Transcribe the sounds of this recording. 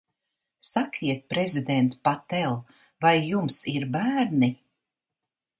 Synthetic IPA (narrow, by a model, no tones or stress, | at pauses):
sakʰiɛt̪̚pɾezid̪ɛnt̪pat̪ɛlˠ | vajːumsiɾbæːɾni